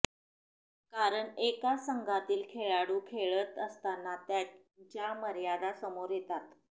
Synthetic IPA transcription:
kaɾəɳekasəŋɡʱat̪iːlkʰeɭaɽuːkʰeɭət̪əst̪anːat̪ja | t͡ɕjaməɾjad̪asəmoɾjet̪at̪

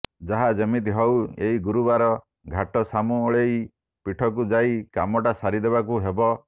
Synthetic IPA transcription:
d͡ʒaɦad͡ʒemit̪iɦɔweɦiɡuɾubaɾɔ | ɡʱaʈɔsamuoɭej | piʈʰɔk̬ud͡ʒaikamɔʈasaɾid̪eβak̬uɦebɔ

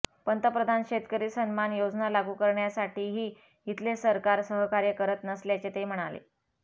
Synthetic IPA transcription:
pənt̪əpɾəd̪ʱanɕet̪kəɾiːsənmanjod͡znalaɡukəɾɳjasaʈʰiːɦiː | ɦit̪lesəɾkaɾsəɦəkaɾjəkəɾət̪nəsljat͡ɕet̪em̤əɽ̃alḛ

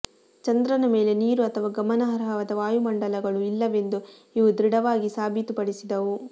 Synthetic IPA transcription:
t͡ʃɐnd̪ɾɐnɐme̞ːle̞niːɾuɐt̪ʰɐʋaːɡɐmɐnɐɦɐɾɦɐʋɐd̪ɐʋaːjumɐɳɖɐlɐɡɐɭuilːɐʋe̞nd̪uiʋud̪ɾiɽɐʋaːɡisaːbʱit̪upɐɽisid̪ɐʋu

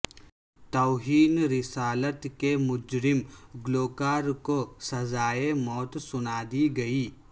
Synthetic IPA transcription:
t̪ɔːɦiːnɾɪsaːlət̪kemʊd͡ʒɾɪmɡloːkaːɾkosɐzaːemɔːt̪sʊnaːd̪iɡɐiː

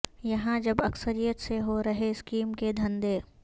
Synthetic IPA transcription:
jɐɦãd͡ʒɐbɐksəɾijət̪seɦoɾɐɦeɪskiːmked̪ʱɐ̃nd̪eː

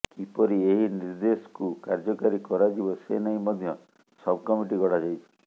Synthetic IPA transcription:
kipɔɾieɦiniɾd̪esɔ̥kukaɾd͡ʒɔkaɾikɔɾad͡ʒibɔsḛnaɦĩmɔd̪ʱjɔ | sɔbʱkɔmiʈiɡɔɽad͡ʒajt͡ʃʰi̥

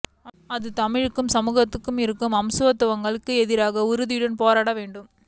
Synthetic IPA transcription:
ɐðɯt̪ɐmɪɻkːɯmsɐmuːɣɐt̪ːɯkːɯmɪɾɯkːɯmɐmsɯʋɐt̪ːɯʋɐŋɡɐɭɯkːɯɛðɪɾaːɣɐʊɾɯðɪjɯɽɐnpoːɾaːɽɐʋeːɳɖɯm

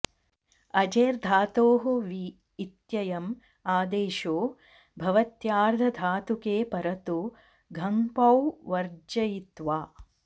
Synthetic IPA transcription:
ɐd͡ʒeːɾd̪ʱaːt̪oːɦuʋiː | t̪jɐjɐm | aːd̪eːʃoː | bʱɐʋɐt̪jaːɾd̪ʱɐd̪ʱaːt̪ukeːpɐɾɐt̪u | ɡʱɐmpɐwʋɐɾd͡ʒɐjit̪ʋaː

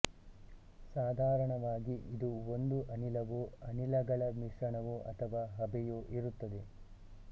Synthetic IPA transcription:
saːd̪ʱaːɾɐɳɐʋaːɡiʔid̪uond̪uʔɐnilɐʋuɐnilɐɡɐɭɐmiʂɾɐɳɐʋuʔɐ̰t̪ʰɐʋaːɦɐbɛjuʔiɾut̪ːɐd̪e̞

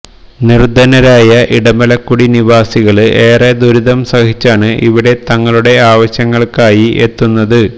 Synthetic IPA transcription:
nird̪ɐnɐɾaːjɐʔiɽɐmɐlɐkːuɽiniʋaːsiɣɐɭɨe̞ːred̪uɾuðɐmsɐhit͡ɕːaːɳɨʔiʋiɽe̞t̪ɐŋːɐɭuɽe̞aːʋɐɕjɐŋːɐɭkaːjiʔet̪ːunːɐðɨ

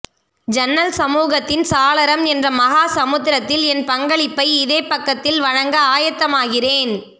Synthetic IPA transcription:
d͡ʒɛnːɐlsɐmuːɣɐt̪ːɪnsaːlɐɾɐmɛndrɐmɐɣaːsɐmɯt̪ːɪɾɐt̪ːɪlɛnpɐŋɡɐɭɪpːɐɪɪðeːpːɐkːɐt̪ːɪlʋɐɻɐŋɡɐaːjɐt̪ːɐmaːɣɪreːn

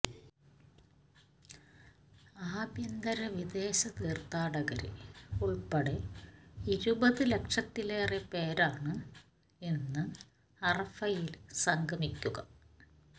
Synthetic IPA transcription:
aːbjɐnd̪ɐɾɐʋid̪e̞ːɕɐt̪iːrt̪aːɽɐɣɐɾḭuɭpɐɽe | iɾubɐðɨle̞kʂɐt̪ːileːrepe̞ːɾaːɳɨ | e̞nːɨ | ɐrɐfɐjilsɐŋɡʱɐmikʲːuɣɐ

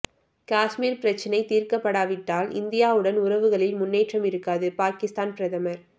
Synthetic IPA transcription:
kaːsmiːɾpɪɾɐt͡ʃːɐnɐɪt̪iːɾkɐpːɐɽaːʋɪʈːaːlʔɪ̰nd̪ɪjaːʋɯɽɐnʊɾɐʋɯɣɐɭɪlmʊnːeːʈrɐmɪɾɯkːaːðɯpaːkɪst̪aːnpɪɾɐðɐmɐɾ

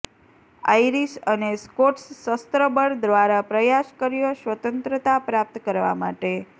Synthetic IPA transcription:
a̰iɾiʃəneskoʈsːəst̪ɾəbəɾd̪ʋaɾapɾəjaʃkəɾijoʃʋət̪ənt̪ɾət̪apɾap̚t̪kəɾʋa̰ma̰ʈe

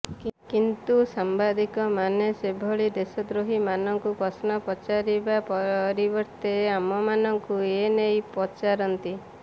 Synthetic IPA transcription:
kint̪usambad̪ikɔmanesebʱɔɭid̪esɔd̪ɾuɦimanɔŋkupɔsnɔpɔt͡ʃaɾibapɔɾibɔɾt̪eamɔmanɔŋkuenejpɔt͡ʃaɾɔnt̪i

